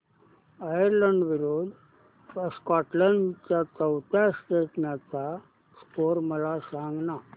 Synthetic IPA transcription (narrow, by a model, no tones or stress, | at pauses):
ajəɾləɳɖʋiɾod̪ | ʋaskɔʈləɳɖt͡ɕjat͡səwt̪ʰjasʈeʈnjat͡sa | skoɾməlasãŋɡna